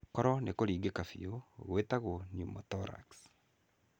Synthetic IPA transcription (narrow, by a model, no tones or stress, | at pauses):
kɔɾɔnekoɾiːɡekafḭoɣwetaɣonjumɔtɔɾa̰ks